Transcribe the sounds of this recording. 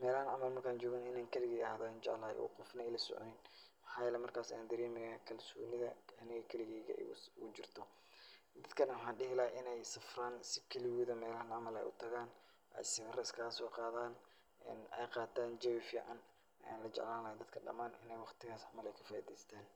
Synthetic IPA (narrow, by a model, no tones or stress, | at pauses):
mɛːlɐhɐnʕɑmɐlmɐrkʰaːnt͡ʃɔːɣaːnɪnaːŋkʰɐlɪɣɛːɣɐhðaːɪnt͡ʃɛ̰ʕlɐhɛ̰jʔṵːqɔfnɐɛjlɐsɔ̰ʕ̰nɪnmħaːjɛlɛmɐrkʰaːsɐjaːnd̪ɐɾiːmɪɣakʰɐlsuːnɪðɐ̰ɐnɪɣɐkʰɐlɪɣɛːɣɐ̰ʔuːd͡ʒɪrt̪ʰɔ | d̪ɐd̪kʰɐnɐwħɑːnɖɪhɪlaːʔɪnɛjsɐfraːnsɪkʰɐlɪwʊːðɐmɛːlɐhɐnʕɑmɐlɛ̰jʔʊ̰t̪ʰɐɣaːn | ʔɛ̰jsɪrɐɪskʰaɐsɔːqɑːðaːn | ɛ̰nɛjqɑːt̪ʰaːnd͡ʒɐwɪfjɛ̰ʔɐn | aːnlɐt͡ʃɛ̰ʕlaːnlɐhɛd̪ɐd̪̚kʰɐɖɐ̰maːnʔɪnɛjwɑqt̪ʰɪɣaːsʕɑmɐlɛjkʰɐ̥faːʔḭːðɛːst̪ʰaːn